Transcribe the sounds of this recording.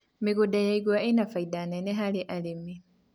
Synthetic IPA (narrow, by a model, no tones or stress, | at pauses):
miɣudajaiɡwaʔinafaidaneneɦaliʔalimi